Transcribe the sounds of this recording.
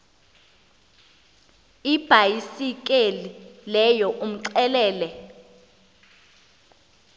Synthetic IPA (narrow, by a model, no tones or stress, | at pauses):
ib̥ʱajisik̬ʼelilɛjɔʔum̩ǀɛlɛːlɛ